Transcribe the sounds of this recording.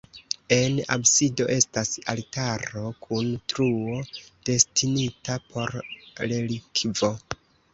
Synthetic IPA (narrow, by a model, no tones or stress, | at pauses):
e̞na̰bsido̞ʔe̞stasaltaɾo̞kʰuntɾuod̥e̞stinitapʰo̞ɾlelikvo̞